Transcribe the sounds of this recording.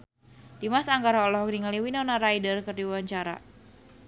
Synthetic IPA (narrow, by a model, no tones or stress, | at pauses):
d̥imasaŋɡaɾaɔlɔhk̚niŋaliwinɔnaɾaidərkərdiwewaɲt͡ʃaɾa̰